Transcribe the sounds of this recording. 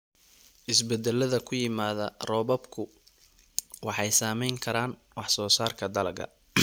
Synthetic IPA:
ʔɪsbɛd̪ɛlɐðɐkʰʊjɪmaːðɐrɔːβɐbkʰʊ | wɑħɑjsaːmɛjŋkʰɐɾaːn | wɑħsɔːsaːrkʰɐd̪ɐlɐɣɐ̰

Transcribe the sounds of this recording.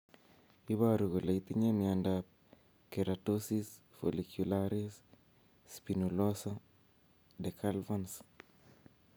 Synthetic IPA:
iβaɾuɣoleit̪iɲemiandap̚ | keɾatosis | fo̰likʰjulaɾis | spinulosa | dɛkʰalvans

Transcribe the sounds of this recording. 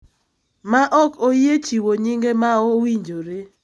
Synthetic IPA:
maʔɔkojet͡ʃiwoɲiŋɡemaowiɲd͡ʒoɾe

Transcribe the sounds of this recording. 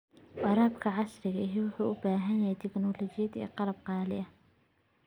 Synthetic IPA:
wɑɾˤɑːbkʰɐʕɑsɾɪɣɐɪɦiwʊħuːʔʊbaːɦɐnjɛjt̪ʰɪknɔlɔt͡ʃɪjɐd̪ɛ̰ːqɑlɐb̚qɑːlɪ̰ʔɐ

